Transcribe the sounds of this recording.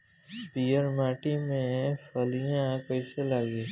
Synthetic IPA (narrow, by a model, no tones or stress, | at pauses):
pijəɾmaːʈimẽfəlijãkəɪselaːɡi